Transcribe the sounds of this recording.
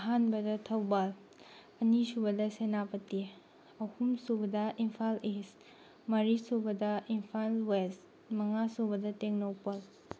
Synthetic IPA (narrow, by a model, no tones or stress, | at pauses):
ɐɦanbɐdɐtʰɐwbal | ɐnisubɐdɐsenapɐti | ɐhumsubɐdɐʔimpʰales | mɐɾisobɐdɐimpʰalwes | mɐŋasobɐdɐteŋnowpɐl